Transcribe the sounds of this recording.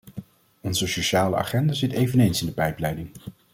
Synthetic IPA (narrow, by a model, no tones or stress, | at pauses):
ɔnzəsoʃaːlə̰a̰χɛndazɪtejvənejnsɪndəpɛjplɛjdɪŋ